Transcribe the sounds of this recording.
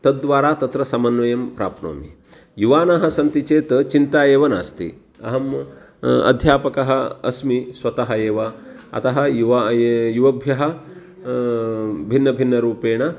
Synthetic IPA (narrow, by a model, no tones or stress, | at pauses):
t̪ɐd̪d̪ʋaːɾaːt̪ɐt̪ɾɐsɐmɐnʋɐjɐmpɾaːpno̰ːmḭ | juʋaːnɐɦɐ̆sɐnt̪it͡ʃeːt̪ɐt͡ʃint̪aːjeːʋɐna̰ːst̪ḭ | ɐ̰ɦɐm | ɐ̰d̪ʱjaːpɐkɐɦɐɐ̰smisʋɐt̪ɐɦɐeːʋɐ | ɐ̰t̪ɐɦɐ̆jʋjuʋɐbʱjɐɦɐ | bʱinːɐbʱinːɐɾuːpeːɳɐ